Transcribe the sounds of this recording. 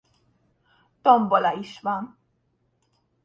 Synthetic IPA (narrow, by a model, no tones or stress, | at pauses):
t̪ɔmbɔlaiʃman